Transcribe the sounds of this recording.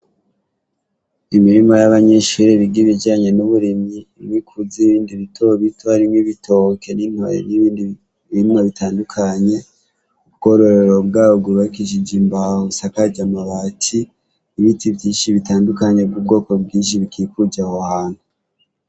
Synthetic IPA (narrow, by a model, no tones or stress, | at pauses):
imiɾimajaβaɲeʃuɾiɾiɡiβid͡ʒaːɲe̞nuβuɾimiwikʰuziβiːndiβitʰoβitʰoaɾimŋiβitʰoke̞nin̥ho̰jḛnind | βiimaβitʰaːndukʰaɲe̞ | ubɡo̞ɾoɾeɾo̞bɡaːβoɡuβaikiʃ̬id͡ʒimbahusakaɟamaβatʰiː | βitʰibjiːnʃiβitaːndukaɲe̞bɡub̚ɡo̞ːko̞bɡiːnʃ̬iβikʰikud͡ʒahohaːn̥hu